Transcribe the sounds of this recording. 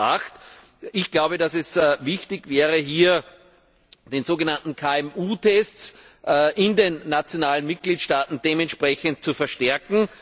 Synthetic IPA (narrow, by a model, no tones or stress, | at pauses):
a̰xt | ɪçɡ̥laʊbədasɛsvɪçtɪçvɛːʁəɦiːɐ | d̥eːnz̥oːɡənantn̩kʰaɛmuːtʰɛst͡sː | ʔɪndeːnːat͡sjonaːlənmɪt̚ɡ̥liːtʃtaːtn̩d̥eːmɛ̃ntʃpʁɛçənt̚t͡sufɛɐʃtɛɐkŋ̩